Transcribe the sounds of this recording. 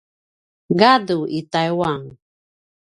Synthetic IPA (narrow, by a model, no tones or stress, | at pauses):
ɡaduit̪ajwaŋ